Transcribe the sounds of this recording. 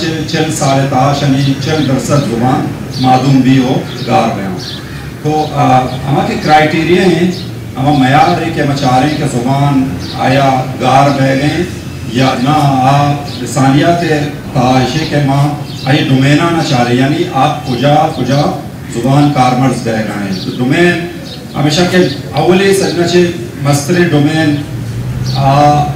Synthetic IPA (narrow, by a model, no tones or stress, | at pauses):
t͡ʃelt͡ʃelsaːlet̪aːʃɐnit͡ʃɐld̪ɐɾsɐt̪zʊbaːn | maːd̪umbiːɦoː | ɡaːɾbɐjã̰ː | t̪oːɦɐ̰mãːkekɾaːjʈeːɾijaːɦẽ | ɐmãmɐjaːd̪ẽkemãt͡ʃaːɾẽkezɐbaːn | a̰ːjaːɡaːɾbeːɡẽ | janaaː | ɪsaːnijat̪ʰe | t̪aːʃekemã | ɐjeɖʊmeːnaːnat͡ʃaːɾẽjaːniʔaːp̚kʊd͡ʒaːkʊd͡ʒa | zʊbaːnkaːɾmɐɾzɡɐːɡɐːnẽt̪oɖʊmeːn | ɦɐ̰meːʃake | ɐwlesɐɡnat͡ʃemɐst̪ɾẽɖomeːn | aː